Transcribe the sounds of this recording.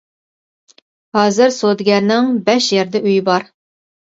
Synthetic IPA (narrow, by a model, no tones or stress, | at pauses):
hɑːzɨɾsod̪ɡʲɛɾnɪŋbɛʃjɛɾd̪ɛʔyjɪbɑɾ